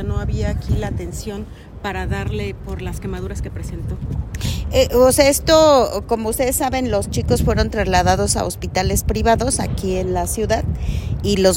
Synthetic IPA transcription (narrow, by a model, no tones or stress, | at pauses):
noaβiaːkʰilat̪e̞nsjo̞n | paɾaðaɾle̞po̞ɾlaske̞maðuɾaskepɾese̞nt̪o̞ | eʔoseaest̪oko̞mo̞ust̪e̞ðesːaβe̞nlo̞st͡ʃiko̞sfwe̞ɾo̞nt̪ɾazlaðaðo̞sa̰ospit̪ale̞spɾiβaðo̞sa̰kie̞nlasjuðaðilo̞z